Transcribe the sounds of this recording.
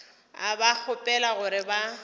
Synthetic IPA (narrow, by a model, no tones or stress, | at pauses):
abak͡xʰʊpʼɛlaɣʊɾɪba